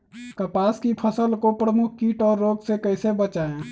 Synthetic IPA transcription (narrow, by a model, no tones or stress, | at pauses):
kəpaːskipʰəsəlkopɾəmʊk̚ʰkiːʈɔːɾːoːɡsekəɪsebət͡ʃaːẽ